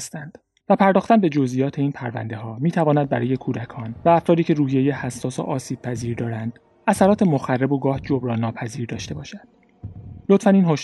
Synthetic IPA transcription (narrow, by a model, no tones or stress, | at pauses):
st̪ænd̪̥ | væpʰæɾd̪ɒːxt̪ænbe̞d͡ʒozʔijɒːt̪ʰe̞iːnpʰæɾvæ̰nd̪e̞ɦɒːmiːt̪ʰævɒːnæd̪̚bæɾɒːje̞kʰuːd̪ækʰɒːnvæːfɾɒːd̪iːcʰe̞ɾuːhijejehæsːɒːso̰ʔɒːsiːb̥̚pʰæziːɾd̪ɒːɾænd̪̥ | æsæɾɒːt̪ʰe̞moxærːeboɡɒːhd͡ʒobɾɒːnːɒːpʰæziːɾd̪ɒːʃt̪e̞bɒːʃæd̪̥ | lot̪fæniːnɦoʃ